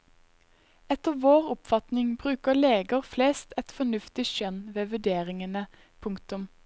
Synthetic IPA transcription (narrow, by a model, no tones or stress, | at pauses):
ɛt̪əʁʋoːʁʊpfɑt̪nɪŋbʁʉːkəleːɡəʁfleːst̪ɛt̪fɔnʉft̪ɪʃœnʋeːʋʉɖ̪eːʁɪŋənə | pʰʊŋkt̪ʊm